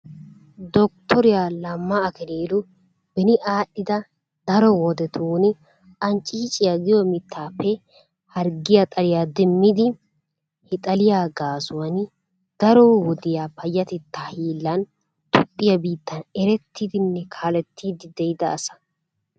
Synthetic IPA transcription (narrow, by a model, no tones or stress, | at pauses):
d̪ɔk̚t̪ʰɔɾɪjaːlɐmːɐːkɛleːlʊ | bɛnɪʔaːɗːɪd̪ɐ | d̪̥ɐɾɔwɔd̪ɛt̪ʰuːn | ʔɐnt͡ʃʼit͡ʃʼɪjɐɡɪjɔmɪt̪ʰːaːpːɛ | hɐɾɡɪjɐt̪ʼɐɾɪjaːd̪ɛmːɪd̪ɪ | hɛt̪ʼɐlɪjaːɡaːsʊwɐn | d̪̥ɐɾɔwɔd̪ɪjaːpɐjːɐt̪ɪt̪ːahiːlːɐn | t̪ʊpʼːɪjɐbiːt̪ʰːɐnɛɾɛt̪ʰːid̪ɪnːɛkʰaːlɛt̪ʰːiːd̪ɪd̪ɛjd̪ɐːsɐ̥